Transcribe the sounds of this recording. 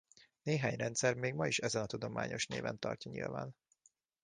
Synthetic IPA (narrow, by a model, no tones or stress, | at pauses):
neːɦaːɲrɛnt̪sɛrmeːɡmɒiʃɛzɛnɒt̪ud̪o̞ma̰ːɲo̞ʃnḛːvɛnt̪ɒrcɒɲḭlva̰ːn